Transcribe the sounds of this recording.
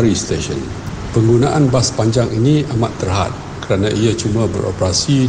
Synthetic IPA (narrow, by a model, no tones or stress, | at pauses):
ɾist̪eʃə̰n | pəŋɡunãʔanbaspaɲd͡ʒaŋʔiniʔamat̪ːərɦa̰t̪̚ | kəɾanãʔiat͡ʃumãbə̰ɾʔo̰pəɾasi